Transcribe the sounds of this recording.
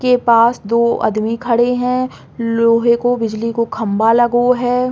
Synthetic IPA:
kepaːsd̪oːʔɐ̰d̪mikʰɐɽeɦɛ̃ | loːɦẽkobɪd͡ʒlikokʰɐ̃mbalɐɡoɦɛː

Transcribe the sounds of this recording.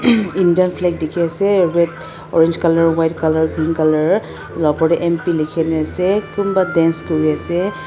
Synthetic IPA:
indiɔnpʰlɛk̚dekʰiasɛɹɛt | ɔ̰ɹend͡ʒkalɔɹwajtkalaɹɡɹiŋkalaɹ | lɔpɔɹɛʔɛmpilikʰɛnɛasɛkunbadɛnskoɹiasɛ

